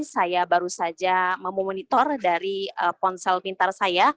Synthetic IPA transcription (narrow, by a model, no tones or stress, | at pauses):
sajabaɾusad͡ʒaməmomɔnit̪ɔrdaɾiəpɔnsɛlpint̪arsaja